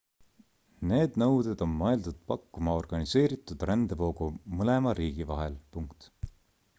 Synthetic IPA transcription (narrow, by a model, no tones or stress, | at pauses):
ne̞ːd̪̥nɤwd̪ed̪o̞nːɑeld̪ud̪̥̚pɑkːumɑo̞rɡ̥ɑnise̞ːɾit̪ˑud̪̥ɾænd̪evo̞ːɡumɤle̞mɑɾiːɡ̥ivɑɦelpuŋkt̪